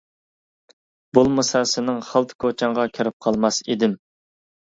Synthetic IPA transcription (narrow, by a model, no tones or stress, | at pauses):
bulˠmɨsɑsɨnɨŋχɑlˠt̪ʰɨ̥kʰot͡ʃʰɑŋʁɑkʲʰeɾɪp̚qʰɑlˠmɑsḭd̪ɪm